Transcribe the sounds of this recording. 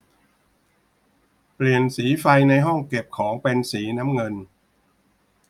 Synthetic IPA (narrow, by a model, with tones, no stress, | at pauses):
pli˨˩ənsiː˩˦fa˧jna˧jɦɔ˥˩ŋke˨˩p̚kʰɔː˩˦ŋpe˧nsiː˩˦naː˦˥mŋɤ˧n